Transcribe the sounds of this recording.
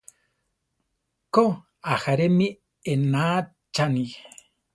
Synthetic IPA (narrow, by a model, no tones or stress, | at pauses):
ko | axaɾemi | enaː | t͡ʃani